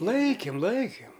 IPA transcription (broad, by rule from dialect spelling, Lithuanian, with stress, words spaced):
ˈlˠɐɪkʲɪm ˈlˠɐɪkʲɪm